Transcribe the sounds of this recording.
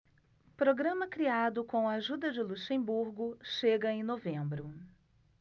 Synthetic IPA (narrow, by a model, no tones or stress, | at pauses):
pɾoɡɾɐ̃mɐkɾiad̪ʊkõɐaʒud̪ɐd͡ʒɪluʃẽbuɾɡʊʃeɡɐẽj̃novẽmbɾʊ